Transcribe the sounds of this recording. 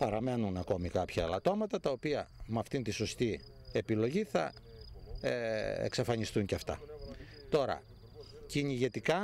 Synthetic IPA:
pɐɾɐme̞nunɐko̞mikɐpçɐelɐt̪o̞mɐt̪ɐt̪ɐopiɐmɐft̪int̪iso̞st̪i | e̞pilo̞ʝiθɐ̰ | ḛksɐfɐɲist̪uɲceɐft̪ɐ̰ | t̪o̞ɾɐ̰ | ciɲiʝe̞t̪ikɐ

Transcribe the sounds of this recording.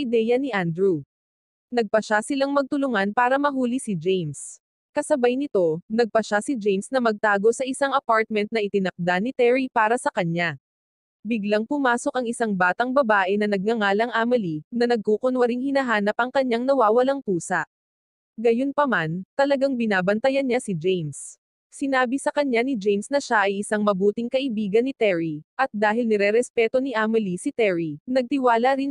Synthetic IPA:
ɪd̪ɛjɐnɪʔand̪ɾu | nɐɡ̚pɐʃasɪlaŋmɐɡ̚t̪ʊlʊŋanpaːɾɐmɐɦuːlisɪd͡ʒejns | kɐsɐbajnɪt̪o̞nɐɡ̚pɐʃasɪd͡ʒɛjnsnɐmɐɡ̚t̪aːɡo̞sɐʔɪsaŋɐpaɹt̪̚mɛnt̪̚nɐʔɪt̪ɪnɐk̚d̪anɪt̪ɛɹipaːɾɐsɐkɐɲa | bɪɡlaŋpʊmaːso̞kɐŋɪsaŋbaːt̪ɐŋbɐbaːʔɛnɐnɐɡ̚ŋɐŋaːlɐŋʔaːmɐlinɐnɐɡ̚kukonwɐɾiŋhɪnɐɦaːnɐpɐŋkɐɲaŋnɐwaːwɐlaŋt̪uːsɐʔ | ɡɐjonpɐmant̪ɐlɐɡaŋbɪnaːbɐnt̪ɐjɐnɲasɪd͡ʒɛjms | sɪnaːbisɐkɐɲanɪd͡ʒɛjmsnɐʃaʔɐjʔɪsaŋmɐbuːt̪ɪŋkɐʔɪbiːɡɐnːɪt̪ɛɹiʔɐt̪̚d̪aːɦɪlnɛɾɛɾɛspɛt̪o̞niʔamɪlisɪt̪ɛɹinɐɡ̚t̪ɪwaːlɐɾɪn

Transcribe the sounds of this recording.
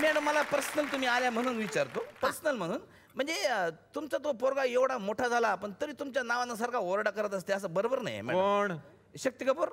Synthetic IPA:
mɛɽəmːəlapəɾsnəlt̪um̤iːaljam̤əɽ̃uːnʋit͡ɕaɾt̪opəɾsnəlm̤əɽ̃uːn | m̤əɳd͡zet̪umt͡sat̪̬opoɾɡaeʋɽamoʈʰad͡zʱalaːpəɳt̪əɾiːt̪umt͡ɕjanaʋanas̬aɾkʰaoɾɽakəɾət̪əs̬t̪eəs̬əbəɾobəɾna̰j̰mɛ̰oɽɳ | ɕək̚t̪ikəpoɾ

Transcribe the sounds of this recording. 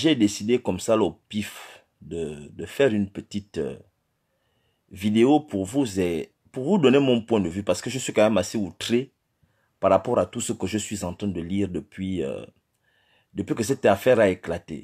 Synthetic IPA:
ʒed̪esid̪ekɔmsalopif | d̪əd̪əfɛʁynpət̪it̪ | vid̪eopuʁvuzɛ | puʁvud̪ɔnemɔ̃pwɛ̃d̪əvypaʁsə̥kəʒəsɥikãmɛmaseut̪ʁe | paʁapɔʁat̪usəkəʒəsɥizɑ̃t̪ʁɛ̃d̪əliʁd̪əpɥiø̰ | d̪əpɥikəsɛt̪afɛʁaeklat̪ḛ

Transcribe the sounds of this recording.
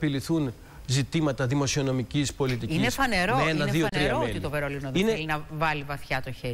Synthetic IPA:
piliθun | zit̪imɐt̪ɐðimo̞siono̞micispo̞lit̪iinefɐne̞ɾomenɐðiotnɾiɐɾoet̪it̪oveɾolinoðinelinɐvɐlivɐθçɐt̪oçe

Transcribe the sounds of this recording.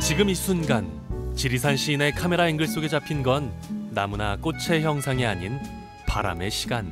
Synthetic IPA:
t͡ɕiɡɯmisʰunɡan | t͡ɕiɾisʰanɕʰiːne̞kʰame̞ɾainɡɯɭs͈oɡe̞t͡ɕapʰinɡʌnːamunak͈ot͡ɕʰe̞çjʌŋsʰaŋeaɲin | paɾa̰me̞ɕʰi̥ɡan

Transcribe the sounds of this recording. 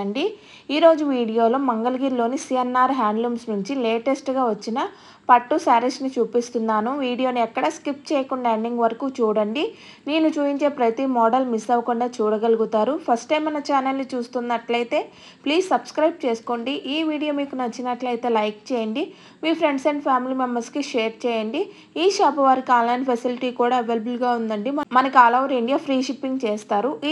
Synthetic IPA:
ɐɳɖi | iːɾo̞ːd͡ʒuʋiːɽijo̞ːlomɐŋɡɐlɐɡiːɾlo̞ːnisijɐnːaːɾɦaːɳɖlumsnuɲt͡ʃile̞ːʈesʈɡaːʋɐt͡ʃːinɐ | pɐʈːusaːɾɐʂnit͡ʃuːpist̪und̪aːnuʋiːɽijo̞ːniɛkːɐɽɐskip̚t͡ʃeːjɐkuɳɖaeɳɖiŋɡʋɐɾɐkuːt͡ʃuːɽɐɳɖi | neːnut͡ʃuːpiɲt͡ʃe̞ːpɾɐt̪imɔːɖɐlmisɐʋɐkuɳɖaːt͡ʃuːɽɐɡɐluɡut̪aːɾupʰɐsʈɐjːmɐnɐt͡ʃaːnɐlnit͡ʃuːst̪und̪ɐʈlɐjt̪e̞ː | pliːssɐbskɾɐjb̚t͡ʃeːsu̥koːɳɖiʔiːʋiːɽijoːmiːkunɐt͡ʃːinɐʈlɐjt̪e̞ːlɐjk̚t͡ʃɛːjɐɳɖi | miːpʰɾe̞ɳɖseɳɖpʰjaːmilimɐmbɐskiʃeːɾt͡ʃɛːjɐɳɖi | iːʃaːpɐʋaːɾikiaːnlɐjɳpʰɐsiliʈiːkuːɽaːeʋeːlɐbulɡaːund̪ɐɳɖimɐnɐkiaːlɐʋɐɾiɳɖijapʰɾiːʃipːiŋɡt͡ʃeːst̪aːɾu

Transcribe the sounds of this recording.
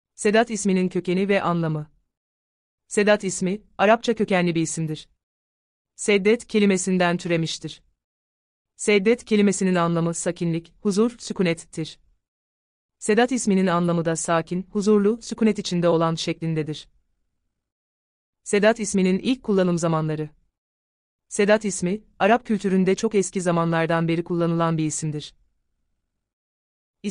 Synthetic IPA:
se̞d̪at̪isminincʰø̞ce̞nivɛʔanlˠamɯ | se̞d̪at̪ismi | aɾap̚t͡ʃʰacʰø̞cænlʲibiisimd̪iɾ̥ | sɛd̪ːɛt̪cʰe̞lʲime̞sind̪ænt̪ʰyɾe̞miʃt̪ʰiɾ̥ | sɛd̪ːɛt̪cʰe̞lʲime̞sininanlˠamɯsacʰinlʲichuzuɾsykunɛt̪ʰːiɾ̥ | se̞d̪at̪ismininanlˠamɯd̪asaːcʰinhuzuɾlˠusykʰunɛt̪it͡ʃʰind̪ɛo̞lˠanʃɛclʲind̪ɛd̪iɾ̥ | se̞d̪at̪ismininʔilʲc̚kʰːulˠːanɯmzamanlˠaɾɯ | se̞d̪at̪ismi | aɾap̚cʰyt̪ʰyɾynd̪ɛt͡ʃʰo̞kɛscizamanlˠaɾd̪anbe̞ɾikʰulˠːanɯlˠanbiisimd̪iɾ̥

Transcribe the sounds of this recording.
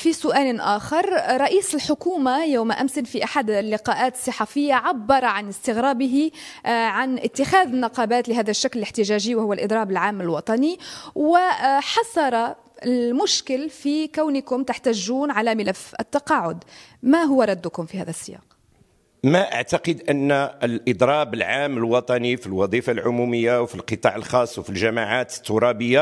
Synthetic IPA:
fisʊʔaːlʔaːxɑɾˤɾˤɑʔiːsɪlħʊkuːmajawmaʔamsɪnfiʔaħad̪lːɪqɑːʔaːt̪sˤːɨħafɪjːaʕabːɑɾˤɑʕanɪst̪ɪɣɾɑːbɪɦiʕanʔɪt̪ːɪxaːðɪnːɑqɑːbaːt̪lɪɦaːðaʃːaklɪlɪħt̪ɪʒaːʒiwɪhʊwːalʔɨd̪ˤɾˤɑːbɪlʕaːmːɪlwɑt̪ˤɑniwɪħɑsˤɑɾˤɑ | lmʊʃkɪlfikawnɪkʊmt̪aħt̪æʒːuːnʕalæmɪlæfə̰t̪ːɑqɑːʕʊd̪maɦʊwːaɾˤɑd̪ːʊkʊmfihæ̰ːðæsːɪjɑ̰ːq | maʔa̰ʕt̪ɑqəd̪ʔənːlʔəd̪ˤɾˤɑːbəlʕaːmːəlwɑt̪ˤɑnifilwɑd̪ˤifalʕʊmuməjːawfilqət̪ˤɑ̰ʕəlxɑːsˤːwfilʒæmaʕat̪ə̥t̪ːʊɾˤɑbəjːa

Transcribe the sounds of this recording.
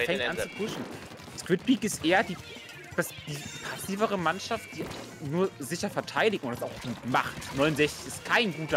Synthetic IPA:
fɛŋkʔant͡supʰʊʃn̩ | skv̥ɪt̚b̥iːkɪstʔeːɐdi̥ː | asd̥i̥ːiːpʰasiːvəʁ̞əmanʃaft̚d̥iː | nuːɐzɪçɐfɛɐtʰaɪdɪç̚tʊntd̥asaʊxɡ̥uːtma̰χtnɔʏnʊnzɛçt͡sɪ̥çɪst̚kʰaɪnɡuːtɐ

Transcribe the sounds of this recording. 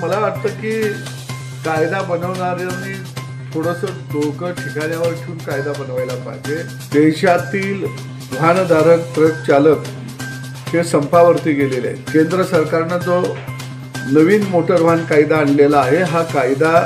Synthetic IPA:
məlaʋaʈt̪əːkiː | kajd̪abənəʋɳaɾjani | t̪ʰoɽəsəd̪okəʈʰikaɳjaʋəɾʈʰuːnkajd̪abənʋajlapa̰ɦd͡ʑe | d̪eɕat̪iːl | ʋ̤ʱand̪ʱaɾək̚t̪ɾəkt͡ɕalək | hesəmpaʋəɾt̪iːɡelelḛkend̪ɾəsəɾkaɾnad͡zo | nəʋiːnmoʈəɾʋ̤ankajd̪aːɳlelaːɦeɦakajd̪a

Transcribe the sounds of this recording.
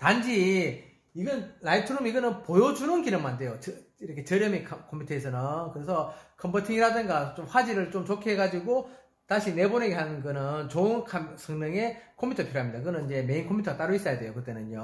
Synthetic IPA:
tand͡ʑi | iɡʌnnaitʰɯɾumiɡʌnɯnpojod͡ʑuɾɯnkinɯŋmande̞jot͡ɕiɾʌkʰe̞t͡ɕʌɾjʌmikʰkʰompʰutʰesʰʌnɯnkɯɾe̞sʰʌkʰʌmbʌtʰiŋiɾadɯnɡat͡ɕomɸwad͡ʑiɾɯɭt͡ɕomt͡ɕokʰeeɡad͡ʑiɡo | taɕʰine̞bone̞ɡeɦanɡɯnɯnt͡ɕoɯnkʰamsʰʌŋnɯŋe̞kʰompʰutʰʌpʰiɾoɦamɲidakɯɡɯnɯnid͡ʑe̞me̞inkʰompʰutʰʌat͈aɾois͈ʌjadwe̞jokɯt͈e̞nɯnjo

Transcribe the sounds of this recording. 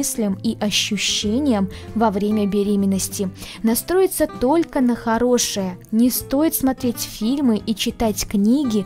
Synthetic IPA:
ɨsʲlʲəmiʔɐɕːʊɕːenʲɪjəmvɐvɾʲemʲəbʲɪɾʲemʲɪnːəsʲtʲɪ | nɐst̪ɾo̞jɪt̪sət̪o̞lʲkənəxɐɾo̞ʂɨjənʲɪst̪o̞jɪt̪smɐt̪ɾʲetʲfʲilʲmɨʔit͡ɕɪt̪atʲknʲiɡʲɪ

